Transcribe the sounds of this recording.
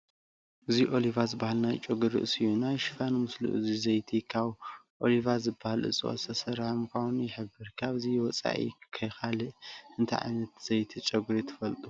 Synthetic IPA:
ʔɨziʔo̞livazɨbahalnajt͡ʃʼɐɡɨɾḭʔɨsɨjunajʃɨ̥fanmɨslṵʔɨ̰zizɐjt̪ʰikʰaβʔo̞livazɨbːahalʔɨ̰t͡sʼɨ̰wo̰sʰɐsɐɾamkʰawnjɪħɨbːɨɾkʰaβɨziwɔt͡sʼa̰ʔḭkʰɐjxalɨʔʔɨnt̪ʰɐ̰ʕa̰jnɐt̪z̥ɐjt̪ʰit͡ʃʼɐɡuɾit̪ʰɐ̥fɐlt̪ʼu

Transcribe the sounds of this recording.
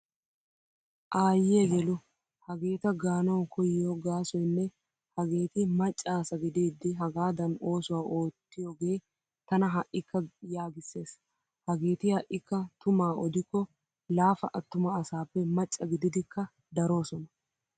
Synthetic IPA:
ʔaːjɛɡɛlʊ | hɐɡeːt̪ɐɡaːnɐwkʰɔjɪjɔɡaːsɔjnːɛ | hɐɡe̞ːt̪ɪmɐt͡ʃʼːaːsɐɡɪd̪eːd̪ːɪɦɐɡaːd̪ɐno̞ːsʊwaːʔo̞ːt̪ːɪjoɡe̞ː | t̪ɐnɐɦɐʔːɪkːɐjaːɡɪsːe̞ːs | hɐɡeːt̪ɪhɐʔːɪkːɐt̪ʊmaːɔd̪ɪkːɔ | laːfɐʔɐt̪ːʊmɐːsaːpːɛmɐt͡ʃʼːɐɡɪd̪ɪd̪ɪkːɐ | d̪ɐɾo̞ːsɔnɐ

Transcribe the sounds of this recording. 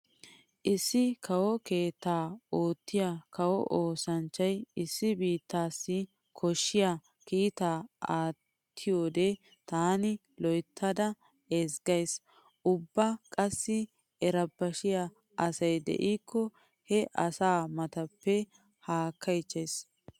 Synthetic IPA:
ʔɪsːɪkʰɐwɔke̞ːt̪ːaːoːt̪ːɪjakɐwɔʔoːsɐnt͡ʃːɐjɪsːɪbiːt̪ːaːsːɪ | kʰɔʃːɪja | kiːt̪aːaː | t̪ʰːɪjoːd̪e | t̪aːnɪ | lɔjt̪ʰːɐd̪ɐ | ezɡɐjs | ʔʊbːɐkʼɐsːɪ | ɛɾɐbːɐʃɪja | ʔɐsɐjd̪ɛ̰ʔiːkːɔ | hɛʔɐsaːmɐt̪ɐpːɛ | haːkʰːɐjt͡ʃːɐjs

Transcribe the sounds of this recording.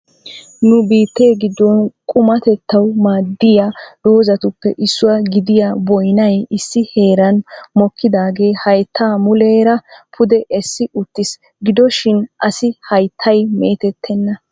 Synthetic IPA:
nʊbiːt̪ːeːɡɪd̪ːɔnkʼʊmɐt̪ɛt̪ʰːɐwmaːd̪ːɪjad̪̥o̞ːzɐt̪ʊpːɛʔɪsːʊwɐɡɪd̪ɪjabɔjnɐjɪsːɪhe̞ːɾɐnmɔkʰːɪd̪aːɡe̞ːhɐjt̪ʰːaːmʊleːɾɐpʰʊd̪ɛʔɛsːɪʔʊt̪ːɪs | ɡɪd̪ɔʃɪnʔɐsɪhɐjt̪ʰːɐjmḛːt̪ɛt̪ʰːɛnːɐ

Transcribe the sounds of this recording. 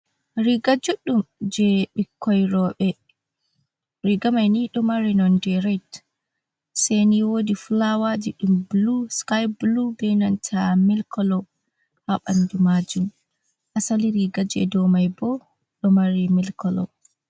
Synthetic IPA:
ɾiɡad͡ʒuɗumd͡ʒɛɓikʰːɔjɾɔɓɛ | ɾiɡamajniɗɔmaɾinɔndɛɾajt | seniwodiflawad͡ʒiɗumbluskajblubɛjnantʰamilkʰɔlɔ | haɓandumad͡ʒum | ʔasaliɾiɡad͡ʒɛ̰dɔmajbɔ | ɗɔmaɾimilkɔlɔ̰

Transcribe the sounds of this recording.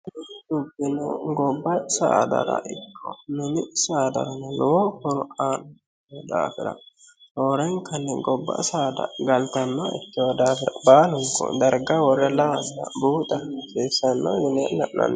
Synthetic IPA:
ʊɡɪnɛɡɔbːɐsɐ̰d̪ɐ̰ɾɐ̰ʔɪkʰːɔnʊnɪsɐːd̪ɐ̰ɾɐnɛlʊwohɔɾʊaːn | d̪a̰ːfɪɾɐ̰ | hɔɾɛŋkʰɐnːɛɡɔbːɐ̰sad̪ɐ̰ɡɐlt̪ɐnːɐɪ̰t̪ːɪwɔd̪aːfɪɾɐbaːlʊŋkːɔ̰d̪ɐɾɡɐwɔɾɛlɐwɐnːɐ̰buːt̪ʼɐkeːsɐnːɔ̰jɪnɛnɐʔnɐ̰n

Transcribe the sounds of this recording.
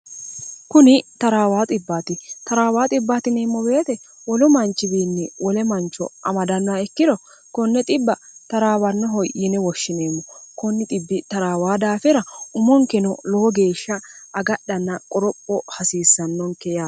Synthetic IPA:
kʊnɪt̪ɐɾaːwaːt̪ʼɪbːaːt̪ɪt̪ɐɾaːwaːt̪ʼɪbːaːt̪ɪneːmːɔbe̞ːt̪ɛwɔlʊmɐnt͡ʃːɪbiːnːɪwɔlɛmɐnt͡ʃːɔ̰ʔɐmɐd̪ɐnːɔɐɛkːɪd̪ɔ | kɔnːɛt̪ʼɪbːɐt̪ɐɾaːwɐnːɔɦɔjʔinɛwɔʃːɪne̞ːmːɔkɔnːɪt̪ʼɪbːɪt̪ɐɾaːwaːd̪aːfɪɾɐʊmɔŋkɛnɔloːɡe̞ːʃːɐːɡɐɗːɐnːɐkʼɔɾɔpʼːɔhɐsiːsːɐnːɔŋkɛjaː

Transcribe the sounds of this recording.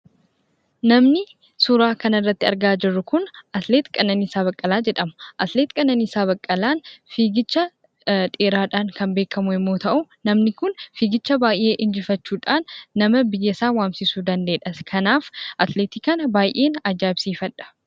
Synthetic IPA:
nɐmnɪ | sʊɾaːkɐnɪrːɐt̪ːɪɐ̰ɾɡaːd͡ʒɪrːʊkʊnʔɐt̪leːt̪kʼɐnːɐniːsaːβɐkʼːɐlaːd͡ʒɛᶑɐmʊ̥ʔɐt̪leːt̪kʼɐnːɐniːsaːβɐkʼːɐlaːnfiːɡɪt͡ʃːɐ | ᶑʼeːɾaːᶑaːŋkɐmbe̞ːkʰɐmʊɪmːo̞ːt̪ɐʔʊ | nɐmnɪkʊnfiːɡɪt͡ʃːɐbaːjʔe̞ːʔɪnd͡ʒɪfɐt͡ʃːuːᶑaːnːɐmɐbɪjːɐsaːwaːmsɪsuːd̪ɐnd̪e̞ːᶑɐskʰɐnaːfʔɐt̪leːt̪iːkɐnɐbaːjʔe̞ːnɐd͡ʒːaːɪbsiːfɐᶑɐ̥

